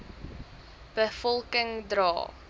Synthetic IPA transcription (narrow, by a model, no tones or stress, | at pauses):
b̥əfɔlˠkəŋdrɑ̰ː